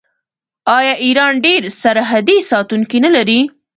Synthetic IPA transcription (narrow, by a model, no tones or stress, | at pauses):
ɑjɑʔiɾɑnɖeɾsaɾɦad̪esɑt̪uŋkinalaɾi